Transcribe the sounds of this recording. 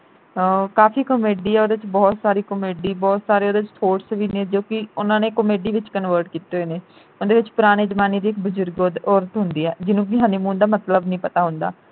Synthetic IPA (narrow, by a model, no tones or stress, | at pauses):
kaːfiːkəmeːɖiːɛːod̪et͡ʃbɔːt̪saːɾiːkəmeːɖiːbɔːt̪saːɾeːoːd̪eɪt͡ʃt̪ʰoːʈsʋiːnẽːd͡ʒoːkɪʊnãːneːkəmeːɖiːʋɪt͡ʃkənʋəːɾʈkiːt̪eːoeːneː | ʊnd̪eːʋɪt͡ʃpʊɾaːɽ̃eːd͡ʒmaːniːd̪iːɪk̚bʊzʊɾɡɔːɾət̪ɦʊnd̪iːɛːd͡ʒɪnũːkɪɦãːniːmũːnd̪aːmət̪ləbnəĩːpət̪aːɦʊ̃nd̪a̰ː